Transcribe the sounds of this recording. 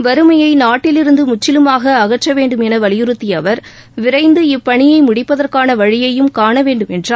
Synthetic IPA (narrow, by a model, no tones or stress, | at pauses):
ʋɐɾɯmɐjɐɪnaːʈːɪlɪɾɯnd̪ɯmʊt͡ʃːɪlɯmaːɣɐːɣɐʈrɐʋeːɳɖɯmɛnɐʋɐɭɪjɯɾɯt̪ːiɐʋɐɾ | ʋɪɾɐɪnd̪ɯɪpːɐɳɪjɐɪmʊɽɪpːɐðɐrkaːnɐʋɐɻɪjɐjɯmkaːɳɐʋeːɳɖɯmɛndraː